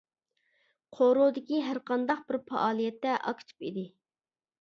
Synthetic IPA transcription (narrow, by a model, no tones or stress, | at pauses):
qʰoɾod̪ɪkʲiɦæɾqʰɑnd̪ɑq̚bɪɾpʰɑ̰ʔɑːlˠijɛt̪ːɛʔɑ̰kʲʰt͡ʃ̪ʰy̥pid̪ɪ